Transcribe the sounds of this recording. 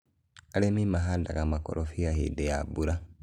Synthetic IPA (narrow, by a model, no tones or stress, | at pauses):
alemimaɦada̰kamakɔ̰ɾʔɔfiaɦḛdɛjabuɾa